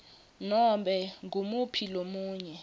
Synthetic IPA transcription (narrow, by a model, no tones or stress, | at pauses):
nɔmɓɛŋɡʱumupʰilomuːɲɛ